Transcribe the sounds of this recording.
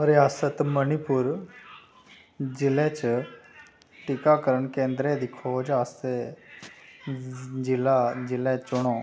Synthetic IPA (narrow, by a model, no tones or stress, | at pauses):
ɾɪaːsət̪mənipʊɾ | zɪlẽːt͡ʃ | ʈɪkakəɾəɳkẽːnd̪ɾed̪ɪkʰod͡ʒaːse | d͡ʒɪlazɪlɛt͡ʃʊɽ̃õː